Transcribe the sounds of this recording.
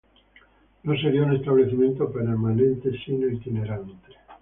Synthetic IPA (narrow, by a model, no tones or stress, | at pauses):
nos̬eɾiaunest̪aβleθimjẽ̞nt̪opeɾmanẽnt̪esinelt̪ineɾant̪e̥